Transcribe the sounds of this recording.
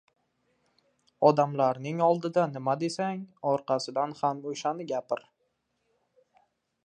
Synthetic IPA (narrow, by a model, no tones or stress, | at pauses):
ɒd̪amlaɾnɪŋɒlˠd̪ɪd̪anɪmad̪e̞saŋɒɾqɑsɪd̪anhamoʃanɪɡʲapɪɾ